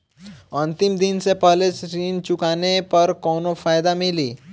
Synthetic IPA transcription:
ɐ̃nt̪ɪmd̪ɪnsepɛːlesɾiːnt͡ʃʊkaːnepɐɾkɔːnofaːjd̪amɪliː

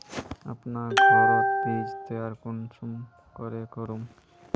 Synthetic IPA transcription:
a̰pnaɡɔɾot̪id͡ʑd̪eaɾkont͡ʃum | koɾekoɾum

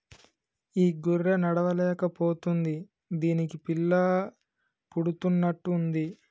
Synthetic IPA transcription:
iːɡuɾːenɐɽɐʋɐlɛːkɐpoːt̪und̪i | d̪iːnikipilːɐ | puɽut̪unːɐʈːuːnd̪i

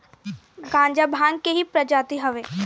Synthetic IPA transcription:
ɡãːɲd͡ʒabʱãːŋɡkeɦipɾɐd͡ʒaːt̪iɦɐʋeː

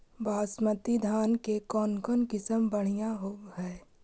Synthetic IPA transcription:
bʱaːsmət̪id̪ʱaːnkekɔːnkənkɪsəmbəɽ̤ijãɦoːɦɛː

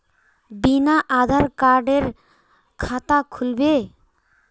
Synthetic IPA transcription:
binaʔad̪ʱaɾkaɾɖeɾ | kʰat̪akʰulbe

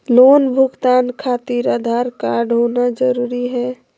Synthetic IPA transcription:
loːnbʱuɡt̪ankʰat̪iɾad̪ʱaɾkaɾɖɦonad͡ʒəɾuɾiɦɛ

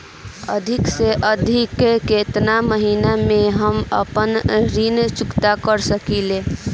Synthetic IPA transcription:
ə̰d̪ʱikseʔəd̪ʱikeket̪naməɦinameɦəmə̰pənɾint͡ʃukt̪akəɾsəkile

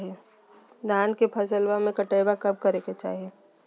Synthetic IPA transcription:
ie | d̪ʱaːnkepʰɐsəlwamẽkəʈeːbakɐb̚kɐɾeket͡ʃa̰ːɦie

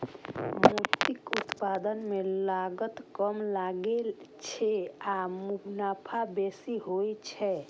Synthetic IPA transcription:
mut̪ikut̪pad̪ənmelaɡət̪kəmlaɡelt͡ʃʰɛamubnapʰabesiɦojt͡ʃʰɛ

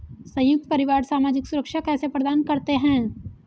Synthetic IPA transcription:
sɐ̃jʊk̚t̪̚pɐɾɪʋaːɾsaːmaːd͡ʒɪksʊɾəkʃakɛːsepɾɐd̪aːnkɐɾt̪eɦɛ̃ː

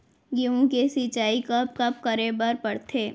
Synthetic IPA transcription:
ɡiũkesiːt͡ʃaːikɐp̚kɐp̚kɐɾebəɾpɐɽt̪ʰeː

